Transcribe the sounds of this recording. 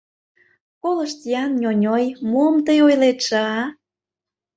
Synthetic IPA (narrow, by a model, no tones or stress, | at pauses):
koləʃt̪jɑnjʲonʲojmomt̪əjojlet̪ʃɑ